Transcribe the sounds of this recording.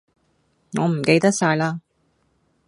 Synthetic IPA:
ŋɔː˨˧m̩˨˩ke˧jt̪ɐ˥k̚saː˧jlaː˧

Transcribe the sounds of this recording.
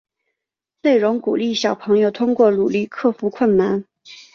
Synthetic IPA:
ne˥˩ɪɻʊ˧˥ŋku˨˩li˥˩ɕjɑ˨˩ʊpʰɤ˧˥ŋjo˧ʊt̪ʰʊ˥ŋkwɔ˥˩lu˨˩li˥˩kʰɤ˥˩fu˧˥kʰwə˥˩nna˧˥n

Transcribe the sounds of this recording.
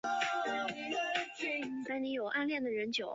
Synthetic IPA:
na˥˩ni˧˥jo˨˩ʊʔa˥nljɛ˥˩nd̪ə˩ɻə˧˥nt͡ɕjo˨˩˦ʊ

